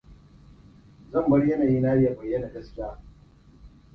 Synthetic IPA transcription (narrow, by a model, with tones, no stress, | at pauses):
zɐ˦˨mbɐ˦ɽjɐ˦naː˨jiː˦naː˦jja˨bɐ˨jːɐ˦na˨ɡɐ˦skʲɪ˦aː˦